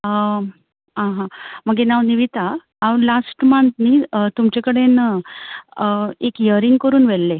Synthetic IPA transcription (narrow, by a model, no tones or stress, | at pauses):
ɦãɦãm̤əɡenaʋniʋit̪aː | ʋlasʈmãnt̪niːt̪umt͡ɕekəɽen | ekjəɾiŋɡkəɾuːnʋelːe